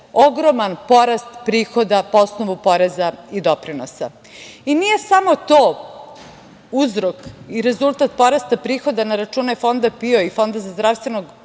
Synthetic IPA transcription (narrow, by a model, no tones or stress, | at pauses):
oɡɾomanpo̞ɾast̪pɾiːxo̞d̪apoosnoʋupo̞ɾezaid̪o̞pɾinosa | inije̞samo̞t̪oː | uzɾokiɾe̞zulˠt̪at̪̚po̞ɾast̪apɾiːxo̞d̪anaɾat͡ʃuːnefo̞nd̪apioifo̞nd̪azazd̪ɾafst̪ʋenoɡ